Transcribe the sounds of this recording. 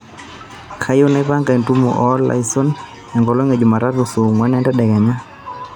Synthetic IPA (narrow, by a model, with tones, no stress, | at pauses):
kʰa˦jo˦na˦i˦pa˦ŋɡa˨i˨ntu˦mɔ̰˨ʔɔ˦lːa̰˨isɔ˦n | ɛ˨ŋɡɔ˨lɔ˦ŋɛ˨d͡ʒu˨ma˨ɾa˦tu˨su˨ŋwɛ˦nɛ˦ndɛ˦ɗa˨ka˨ɲa˦